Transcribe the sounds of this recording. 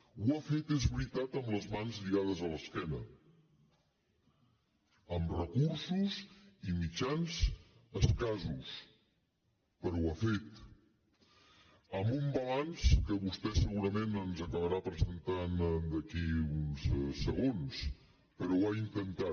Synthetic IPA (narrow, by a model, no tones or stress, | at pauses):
uafet̪ezβɾit̪at̪əmləzmanzʎiɣað̞əzələskɛnə | əmrəkuɾsuzimid͡ʒanzəskazus | pəɾwafet̪ | əmbumbəlanskəβust̪ɛsəɣuɾəmenənzəkəβəɾapɾəzənt̪and̪əkiunssəɣons | pəɾɔwaint̪ənt̪a